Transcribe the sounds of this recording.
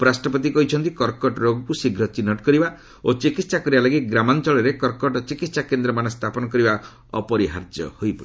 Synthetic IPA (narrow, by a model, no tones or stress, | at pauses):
ɔpɔɾasʈɾɔpɔt̪̬ikɔɦit͡ʃʰɔnt̪ikɔɾkɔʈɾoɡɔkusiɡʱɾɔt͡ʃinɔʈkɔɾiba | ot͡ʃikit̪sakɔɾibalaɡit̪ɡɾamant͡ʃɔɭɔɾekɔɾkɔʈɔt͡ʃikit̪sakend̪ɾɔmanɔst̪ʰapɔnɔkɔɾiba | ɔ̰pɔɾiɦaɾd͡ʒjɔ̰hojpɔi